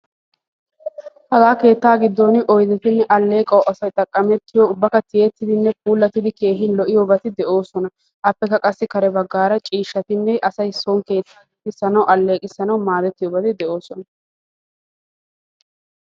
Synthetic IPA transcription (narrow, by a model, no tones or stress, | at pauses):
hɐɡaːke̞ːt̪ːaːɡɪd̪ːoːnɪʔɔjd̪ɛt̪ɪnːɛʔɐlːe̞ːkʼɐwʔɐsɐjt̪ʼɐkʼːɐmɛt̪ːɪjɔʊbːɐkɐt̪ɪjɛt̪ːɪd̪ɪnːɛp̚ʰʼuːlːɐt̪ːɪd̪ɪke̞ːɦɪnlɔʔɪjobɐt̪ɪd̪ɛʔo̞ːsɔnɐ | ʔɐpːɛkːɐkʼɐsːɪkɐɾɛbɐɡːaːɾɐt͡ʃʼiːʃːɐt̪ɪnːɛʔɐsɐjsɔŋke̞ːt̪ː | ɪsːɐnɐwʔɐlːeːkʼɪsːɐnɐwmaːd̪ɛt̪ːɪjɔbɐd̪ɛd̪ɛʔo̞ːsɔnɐ